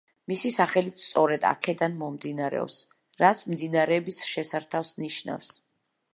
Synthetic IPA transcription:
misisaχɛlit̪st̪sʼɔɾɛd̪a̰kʰɛd̪anmɔmd̪inaɾɛ̰ɔ̰ps | ɾat̪sʰmd̪inaɾɛbisʃɛsaɾt̪ʰafsniʃna̰fs

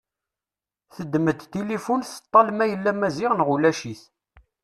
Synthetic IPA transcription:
θəd̪ːməd̪t̪ilifunθə̥t̪ˤːɑlmæjəlːæmæziʁnʁulæʃiθ

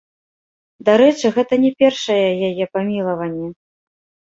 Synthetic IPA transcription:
d̪aɾɛt͡ʂɨɣɛt̪ɐnʲɛpʲɛrʂɐjɛjajɛpamʲilˠɐvɐnʲːɛ

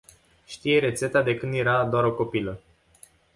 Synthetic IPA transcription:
ʃt̪ije̞ɾe̞t̪se̞t̪ad̪e̞kɨnd̪je̞ɾad̪oaɾo̞ko̞pilə

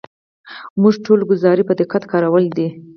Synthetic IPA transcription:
muʐʈʰolɡʊzɑɾipəd̪ɪqat̪kɑɾawəld̪i

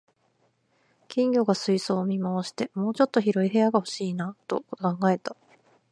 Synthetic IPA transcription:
kʲĩŋɡʲo̞ɡasɨiso̞ːmʲimaoɕi̥t̪e̞mo̞ːt͡ɕo̞t̪ːo̞çiɾo̞iɦe̞jaɡaho̞̥ɕiːnat̪o̞̰kãŋɡae̞t̪a

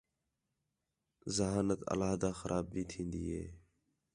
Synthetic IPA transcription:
zəɦaːnət̪ə̰laːɦd̪aːxəɾʔaːb̚ːiːt̪ʰĩːnd̪iːɦḛː

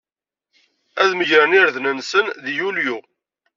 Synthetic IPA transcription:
æðməʝɾæniɾðnənsənðjulju

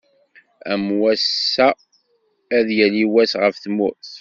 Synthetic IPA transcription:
æmwæsːæ | æðjæliwæsʁəfθmʊθ

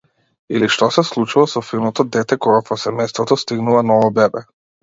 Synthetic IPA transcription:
iliʃt̪ɔsɛslˠut͡ʃuvˠasɔfilˠnɔt̪ɔd̪ɛt̪ɛkɔɡapɔsɛmɛjst̪vɔt̪ɔst̪iɡnuvanɔvɔbɛbɛ

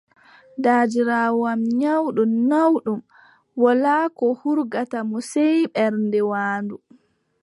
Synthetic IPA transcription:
daːd͡ʒiɾaːwɔamɲawɗumnawɗum | wɔlaːkɔhuɾɡatamɔsɛjɓɛɾndɛwaːndu

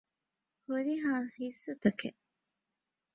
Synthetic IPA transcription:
huɾiɦaːhisːut̪ɐkeʔ

